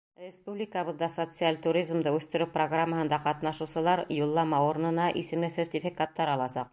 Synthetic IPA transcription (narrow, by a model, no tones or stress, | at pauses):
rʲɪspublʲɪkəβɤ̆ðd̪ɑsot̪sɨalʲt̪uɾʲizmd̪ɤʉθt̪ɘ̆ɾɘproɡramːəɦɤ̆nd̪ɑqɑt̪nɑʃɤ̆wsɤ̆lˠɑɾjulˠːɑmɑuɾnɤ̆nɑʔisɘ̆mlɘsʲertʲɪfʲɪkat̪ːɑɾɑlˠɑsɑq̚